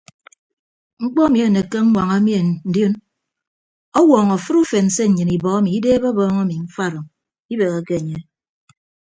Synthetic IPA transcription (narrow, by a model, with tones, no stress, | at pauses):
ŋ͡m̩˦k͡pɔ˦a˦mi˨e˨ne˨ke˦ŋ̩˦ŋʷa˨ŋa˦mi˦e˨n̩˨djo˦n | ɔ˦wɔː˨ŋo˨fɨ˦ɾu˦fe˨n̩˨se˦ɲ̩˨ɲɨ˨ni˨bɔ˨a˦mi˨i˦deː˦bo˦bɔː˦ŋa˦mi˨ɱ̩˦fa˦˨ɾɨ˨ŋ | i˦be˨ɣe˨ke˦˨ɲe˦